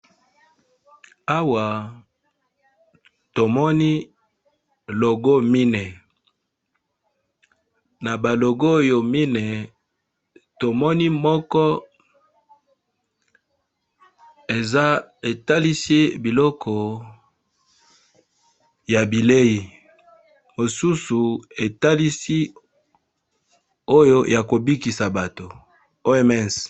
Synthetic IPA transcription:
a˦wa˨ | to˨mɔ˦ni˦ | lo˨ɡo˦mi˦ne˨ | na˨ba˨lo˨ɡo˦˨jo˨mi˦ne˨ | to˨mɔ˦ni˦mɔ˦kɔ˦ | e˨za˦e˨ta˦li˦si˦bi˨lɔ˦kʰɔ˨ | ja˨bi˨le˦ji˨ | mo˨su˦su˨e˨ta˦li˦si˦ | o˦jo˦ja˨ko˨bi˦ki˨sa˨ba˨to˨ | o˦ɛ˦mɛ˦˨s

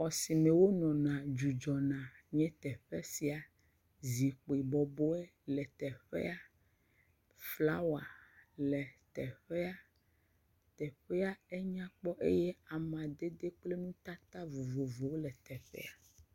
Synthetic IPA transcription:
ɔ˨si˨mẽ˨wo˦nɔ̃˨nã˨d͡ʒu˨d͡ʒɔ˨nã˨ɲɛ̃˦t̪ɛ˨ɸɛ˦si˨a˨ | zi˨k͡po˨i˨bɔ˨bɔ˦ɛ˦ | lɛ˨t̪ɛ˨ɸɛ̰˦a˦ | fla˦wa˨lɛ˨t̪ɛ˨ɸɛ˦a˦ | t̪ɛ˨ɸɛ˦a˦ɛ˦ɲã˦k͡pɔ˦ʔḛ˦jɛ˦a˨mã˨d̪e˦d̪e˦k͡ple˦nũ˦t̪a˦t̪a˦vo˨vo˨vo˨wo˦lɛ˨t̪ɛ˨ɸɛ̰˦a˨

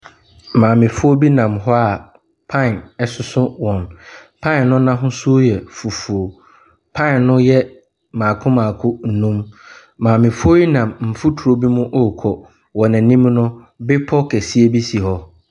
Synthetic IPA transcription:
mãː˨mɪ̃˨fʊ˦o˦bi˦nã˨mɦɔ˦a˨ | pʰã˦˨nɛ˦˨sʊ˨˦sʊ̃˦wɔ̃˨npʰã˦˨nnʊ̃˦nã˦ɦʊ̃˦su˦o˦jɛ˨fu˨fu˨o˨ | pʰã˦˨nnʊ̃˦jɛ˦ | mãː˨kʰʊ̃˦mãː˨kʰʊ̃˦n̩˨nũ˦m | mãː˨mɪ̃˨fʊ˦o˦i˦nã˨mm̩˨fu˦tʰu˨ɾo˦bi˦mʊ̃˦ʔo˦˨kʰɔ˨ | wɔ˨nã˨nĩ˦mnʊ̃˦ | bɪ˦pʰɔ˦kʰɛ˨si˦e˦bi˦si˨ɦɔ˦

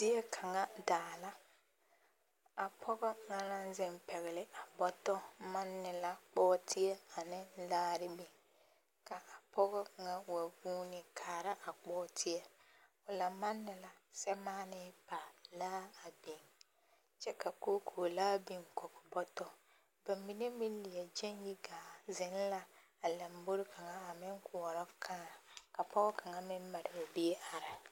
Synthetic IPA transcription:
dɪ˦ɛ˦kʰa˨ŋa˦daː˨la˦ | a˨pʰɔ˦ɣɔ˦ŋa˦la˦n˦zɪ˦mpɛ˨ɣɪ˨lɪ˦ʔa˨bɔ˦tɔ˦ma˦nːɪ˨la˦k͡pɔː˦tʰɪ˦ɛ˦a˨nɪ˦laː˦ɾɪ˦bɪ˨ŋ | ka˨ʔa˨pʰɔ˦ɣɔ˦ŋa˦wa˨ɡuː˦nɪ˨kʰaː˨ɾa˦ʔa˨k͡pɔː˦tʰɪ˦ɛ˨ | ʊ˨la˨ma˦nːɪ˨la˨sɛ˦maː˦nɪ˦pa˨laː˦a˨bi˨ŋ | t͡ʃɛ˦ka˨ko˦kʰoː˨laː˦bi˨ŋkɔ˨kʊ˨bɔ˦tɔ˦ | ba˨mːi˨ne˦mɪ˦li˨ɛ˨d͡ʒɛ˦nji˦ɡaː˨zɪ˨˦n˦la˦ | a˨la˨mbo˦ɾɪ˦ka˨ŋa˦a˨mɪ˦ŋkʰʊ˨ɔ˨ɾɔ˦kʰaː˦˨ka˨pɔ˦ɡɔ˦ka˨ŋa˦˨mɪ˦mː˦a˨ɾɪ˨a˨bi˦e˦ʔa˨ɾɪ˨

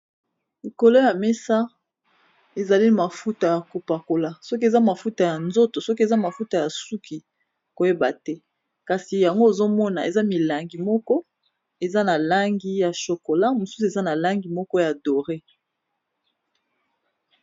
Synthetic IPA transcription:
li˨ko˨lo˦ja˨me˦sa˦ | e˨za˨li˦ma˨fu˦ta˨ja˨ku˨pa˨ko˨la˨sɔ˦k̬i˦e˨za˦ma˨fu˦ta˨ja˨nzo˦to˨sɔ˦k̬i˦e˨za˦ma˨fu˦ta˨ja˨su˦kʰi˨ | ko˨je˦ba̰˨tɛ˦ | ka˨si˨ja˨ŋɡo˦e˨zo˦mɔ˦na˨e˨za˦mi˨la˨ŋɡi˨mɔ˦kɔ˦ | e˨za˦na˨la˦ŋɡi˦ja˨ʃo˨ko˨la˦mo˨su˦su˨e˨za˦na˨la˦ŋɡi˨mɔ˦kɔ˦ja˨do˨ʁe˦

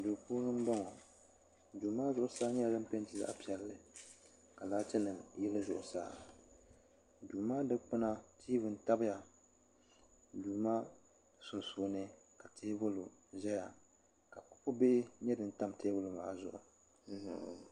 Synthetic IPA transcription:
du˨puː˦lɨ˦m˦ba˦ŋɔ˨ | duː˨maː˦zʊ˦˨ʔʊ˨saː˦ɲɛ˦a˨dɨ˦m̩˦pe˦n˦tɨ˨za̰˦ʔpi˨ɛ˨˦lːɨ˨ | ka˨laː˦t͡ʃɛ˦nɨ˨jɛ˦lɨ˦zʊ˨ʔʊ˨sa̰ː˦˨ | duː˨maː˦dɨ˦k͡pɨ˦na˦tʰiː˦vɨ˨n̩˦ta˦bɨ˦ja˨ | duː˨ma˦ | sʊ˨nsuː˨˦nɨ˦ | ka˨tʰeː˦bʊ˦lʊ˨ʒɛ˦ja˨ | ka˨kʊ̥˦pʊ˦be˦ɲɛ˦dɨ˨n̩˦ta˦mteː˦bʊ˦lɨ˨ma̰ː˨zʊ˨ʔʊ̰˨˦

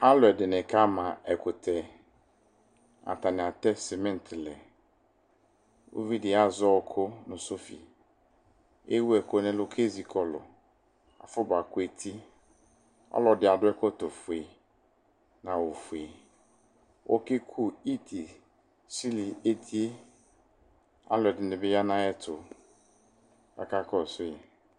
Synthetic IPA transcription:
a˦lʊ˨ɛ˨dɪ˨nɪ̃˨kʰa˦mã˨ɛ˨kʰʊ˨tʰɛ˨ | a̰˨ta˨nɪ̃˨a˨tɛ˦sɪ˨mɛ̃˦n˨tʰɪ˨lɛ˨ | wo̰˦vi˦dɪ˨a˦zɔ˦˨kʰʊ˦nʊ̃˨so˦fḭ˨ | ḛ˦wu˦ɛ˨kʊ˦nɪ̃˦lʊ˨kʰe˦zi˨kʰɔ˨lʊ̰˨ | a̰˨fʊ˦ba˨kʊ˦e˨tʰi˦ | ɔ̰˦lɔ˨dɪ˨a˨dʊ˦ɛ˦kɔ˦tɔ˨fʊ˨e˨ | nã˨wo˨fu˨e˨ | wʔɔ̰˦kɪ˦kʰu˦i˦tʰi˨ | si˦li˨e˦tʰi˦e˦ | a̰˦lʊ˨ɛ˨dɪ˨nɪ˨bɪ˦ja˦nã˦ɛ˦tʰʊ˨ | a̰˨ka˦kʰɔ˦˨sʊ˦jɛ˨

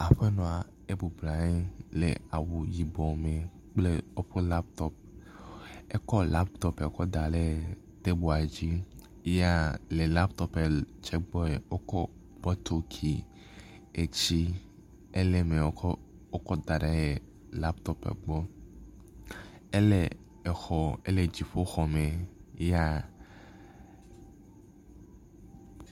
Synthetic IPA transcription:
a˨ɸe˦nɔ̃˨a˨ | e˦bu˨bla˨˦lḛ˨a˨wu˨ji˨bɔ˨me˨ | k͡ple˦o˦ɸe˦la˦pt̪ɔ˦p̚ | e˦kɔ˦la˦pt̪ɔ˦pe˨o˦kɔ˦d̪a˨le˦ | t̪e˦bu˨a˨d͡ʑi˦ | ja˦le˨la˦pt̪ɔ˦pe˨t͡ʃɛ˦ɡ͡bɔ˦e˨o˦kɔ˦ | b̥ɔ˦t̪o˦kʰi˨ | e˨t͡ɕi˦ | e˦le˦me˨˦ | o˦kɔ˦d̪a˨ɖa˨˦je˨ | la˦pt̪ɔ˦pḛ˨ɡ͡bɔ˦ | e˦le˨ | e˨xɔ˨e˦le˨d͡ʑi˨ɸo˦xɔ˨me˨˦ja˦

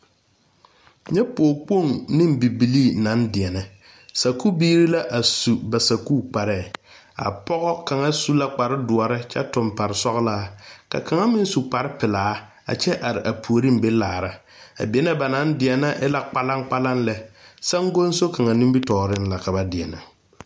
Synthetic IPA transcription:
ɲɛ˦poː˨k͡po˦˨ŋnɪ̃˦mbi˨bi˨li˦˨na˨˦ndɪ˨ɛ˨nɛ˨ | sa˨ku˦biː˦ɾi˦la˦ʔa˨su˨ba˨sa˨kuː˦˨k͡pa˨ɾɛ˦˨ | a̰˨pɔ˦ɣɔ˦ka˨ŋa˦su˦la˦k͡pa˨ɾɪ˦dʊ˨ɔ˨ɾɪ˦t͡ʃɛ˦tʊ˨mpa˨ɾɪ˨sɔ˦ɣlaː˦ka̰˨ka˨ŋa˦mɪ˦n˦su˨k͡pa˨ɾɪ˦pɪ˨laː˨˦ | a̰˨t͡ʃɛ˦ʔa˨ɾɪ˨ʔa˨pʰu˨o˨ɾi˦m˦be˦laː˨ɾa˦ | a̰˨bi˨ɛ˦nɛ˦ba˨na˨˦ndɪ˨ɛ˨na˦ʔɛ˦la˦k͡pa˦la˦ŋk͡pa˦la˦nlɛ˨sa˦ŋɡo˦n˦so˦ka˨ŋa˨nɪ˦bi˦tɔː˨ɾɪ˦nla˨ka˨ba˦dɪ˨ɛ˨na˨

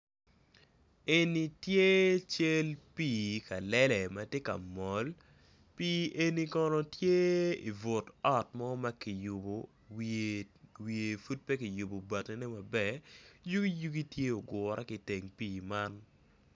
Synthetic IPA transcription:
e˨ni˨tje˦t͡ʃe˦lpiː˨ka˨lɛ˦lɛ˨mɐ˨tje˦ka̰˨mɔ˨l | piː˦ʔe˦ni˦kɔ˦nɔ˦tje˦ḭ˨vo˨tɔ˦tmɔ˦ma˦ki˨ju˨bo˨ | wi˨e˨fu˦t̚pɛ˦ki˨ju˨bo˨ba˨tɛ˦nɛ˦mɐ˨bɛ˨ju˦ɡi˦ju˦ɡi˦tje˦o˨ɡʊ˨ɾʔa˦ki˨te˨ŋpiː˨ma˦n

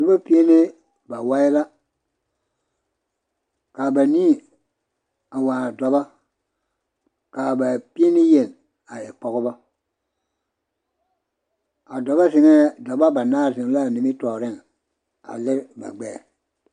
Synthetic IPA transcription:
du˦ba˦pi˦e˦nɪ˦ | ba˨wa˦ɪ˦la˦ | ka˨ba˨niː˦˨ | a˨wa˨dɔ˨ba˦ | kaː˨ba˨pi˦e˦nɪ˦je˨n | a˨ɛ˨k͡pɔ˨ɣʊ˦ba˦ | a˨dɔ˨ba˦zɪ˨ŋɛ˦dɔ˨ba˦ba˨naː˦˨zɪ˨ŋ˦la˦˨nɪ˨mɪ˦tɔː˨ɾɪ˦˨ŋ | a̰˨lɪ˦ɾba̰˨ɡ͡bɛː˦˨

